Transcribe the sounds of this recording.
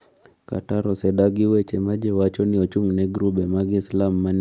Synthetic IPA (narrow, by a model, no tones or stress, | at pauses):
ka̰taɾɔsɛɗaɡiwɛt͡ʃɛmad͡ʒɛwat͡ʃɔniɔt͡ʃuŋnɛɡɾuɓɛmaɡislamːan